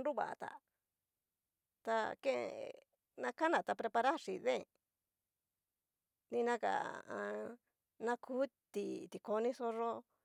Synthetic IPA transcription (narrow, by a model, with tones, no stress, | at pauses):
nɾu˦˨βa̰˨a̰˧t̪a̰˨ | t̪a˧kẽ˦ḛ˧ | nã˧ka˦nã˨t̪a˧pɾe˧pa˧ɾa˦ʂi˨ðẽ˦˨ | nĩ˧nã˦ka̰˨ã˧ | nã˧kʰuː˦ | t̪i˨t̪i˨ko˧nĩ˦so˧ʐo˦